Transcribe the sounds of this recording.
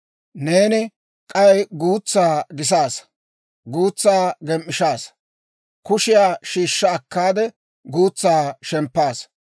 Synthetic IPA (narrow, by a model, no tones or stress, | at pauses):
ne̞ːnɪ | kʼɐwɛjɡuːt͡sːaːɡɪs̬aːs | ɡuːt͡sːaːɡɛmʔːɪʃaːs | kʊʃɪjaːʃiːʃːɐːkːaːd̪ɛ | ɡuːt͡sːaːʃɛmpːaːs